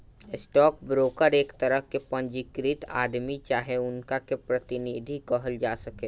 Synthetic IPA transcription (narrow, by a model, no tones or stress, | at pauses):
ɪsʈɔːk̚bɾoːkəɾeːkt̪ɐɾəɦkepɐ̃ɲd͡ʒɪkɾɪt̪a̰ːd̪mit͡ʃaːɦeʊnkakepɾɐt̪ɪnid̪ʱikɔɦəld͡ʒaːsɐkeː